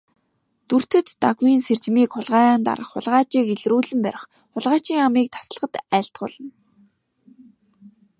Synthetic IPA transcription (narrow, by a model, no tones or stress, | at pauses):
t̪ur̥t̪ɘ̆t̪ːaɣwiːnser̥t͡ɕmiːkχʊɮʁaːjaːnt̪a̰ɾə̆χːʊ̰ɮʁaːt͡ɕiːkeɮruːɮɘ̆mpæɾʲɪ̆χ | χʊɮʁaːt͡ɕiːŋamiːk̚t̪ʰḁsə̆ɮʁə̆t̪æːɬt̪̚ɢʊ̰ːɮə̆n